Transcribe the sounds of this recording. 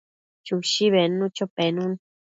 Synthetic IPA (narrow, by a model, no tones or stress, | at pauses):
t͡ʃuʃiβenũt͡ʃopenũn